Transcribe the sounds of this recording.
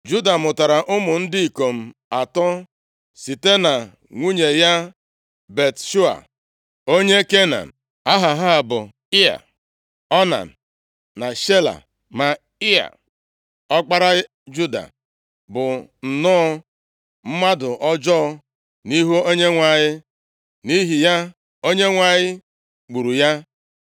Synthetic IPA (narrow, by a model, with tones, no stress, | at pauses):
d͡ʒu˦da˨mʊ˨ta˨ɾa˨ʔʊ˦mʊ˨n̩˦di˦i˨ko˨m̩˨a˨tɔ˦ | si˨te˦na˨ | ŋʷu˦ɲe˨ja˦ | be˨tʃu˦a̰˨ | o˦ɲe˦ke˦na̰˨n̩˨ | a˦ɦa˨ɦa˦˨bʊ˨ | ɪ˦a̰˨ | ɔ˦na̰˨n˨ | na˨ʃe˦la̰˨ | ma˨ | ɪ˦a̰˨ | ɔ˦k͡pa˦ɾa˦ | d͡ʒu˦da̰˨ | bʊ˨n̩˨nɔ˦ | m̩˦ma˦dʊ˨ʔɔ˦d͡ʒɔ˦ɔ˦˧ | ni˦ɦo˦o˦ɲe˦ŋʷa˨ɲɪ˦ | ni˦ɦi˨ja˦ | o˦ɲe˦ŋʷa˨ɲɪ˦ | ɡ͡bu˨ɾu˨ja˦